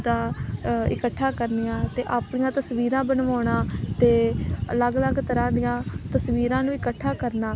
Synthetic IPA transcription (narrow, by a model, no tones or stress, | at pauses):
d̪aːɪ̰kəʈʰːaːkəɾnɪjãːt̪eːʔaːpɳɪjãːt̪əsʋiːɾãːbənʋaːnãːt̪eːə̰ləɡləɡt̪əɾãːd̪ɪjãːt̪əsʋiːɾãːnũːɪkəʈʰːaːkəɾnaː